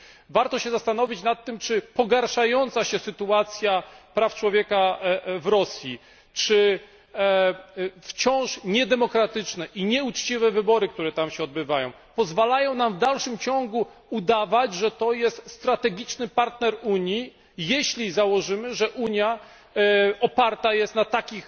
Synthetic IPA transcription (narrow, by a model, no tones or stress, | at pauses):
vaɾt̪ɔɕɛzast̪an̪ɔvʲit͡ɕnat̪ːɘmt͡ʂɘpɔɡaɾʂajɔnt̪saɕɛsɘt̪uat̪sʲjapɾaft͡ʂwɔvʲjɛkavɾɔsʲji | t͡ʂɘ | ft͡ɕɔ̃w̃ʂɲɛd̪ɛmɔkɾat̪ɘt͡ʂnɛʔiɲɛut͡ʂt͡ɕivɛvɘbɔɾɘk̚t̪uɾɛt̪amɕɛɔd̪̚bɘvajɔ̃w̃ | pɔzvalajɔ̃w̃namvd̪alʂɘmt͡ɕɔ̃ŋɡuud̪avad͡ʑʐɛt̪ɔjɛst̪st̪ɾat̪ɛɡʲit͡ʂnɘpaɾt̪nɛɾuɲji | jɛɕlʲizawɔʐɘmɘʐɛʔuɲja | ɔpaɾt̪ajɛst̪nat̪akʲix